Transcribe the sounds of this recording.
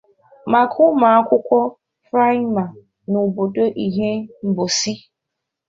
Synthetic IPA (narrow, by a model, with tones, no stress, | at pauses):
ma˨kʰʊ˦ma˨a˦kʷʊ˦kʷɔ˦ | fɾa˦ma˨ | nʊ˨bo˨do˦ʔi˨ɦe˦m̩˨bo˨si˦